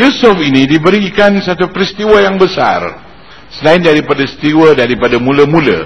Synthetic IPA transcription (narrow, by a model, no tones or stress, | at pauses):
jusufinidibəɾikansat̪upɾist̪iwajaŋbəsa̰r | səlaɪndaɾipadasə̥t̪iwadaɾipadamuləmũlə̰